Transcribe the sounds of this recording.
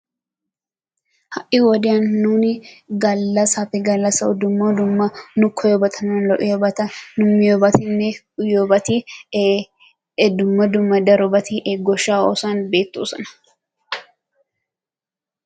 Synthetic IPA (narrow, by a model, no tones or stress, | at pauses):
hɐʔɪwɔd̪ɪɐnːuːnɪɡɐlːɐsɐfɪɡɐlːɐsɐɔd̪ʊmːɐd̪ʊmːɐnʊkʰɔjɔbɐt̪ʰɐnanlɔʔɪjɔbɐt̪ɐnʊmːɪjɔbɐt̪ɪnːɛ | ʊjɔbɐt̪i | d̪ʊmːɐd̪ʊmːɐd̪ɐɾɔbɐt̪ʰiʔeɡɔʃːaːo̰ːsaːnbe̞ːt̪ːṵːsɐnɐ̥